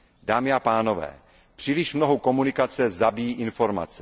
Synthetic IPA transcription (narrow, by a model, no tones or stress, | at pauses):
daːmɪapaːno̞vɛ̰ː | pr̥iːlɪʃmnoɦoko̞munɪkat͡sɛzabijiːʔɪnfo̞ɾma̰t͡sɛ